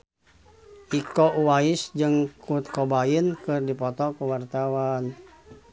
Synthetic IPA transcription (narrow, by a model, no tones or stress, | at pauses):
ʔikɔʔuwaisd͡ʒɨŋkut̪̚kɔbainkɨrdipɔt̪ɔkuwart̪awan